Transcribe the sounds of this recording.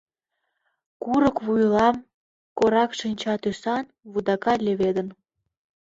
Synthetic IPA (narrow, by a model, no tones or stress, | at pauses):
kuɾəkβujlɑm | koɾɑkʃinʲt͡ɕɑt̪ysɑn | βud̪ɑkɑlʲeβed̪ən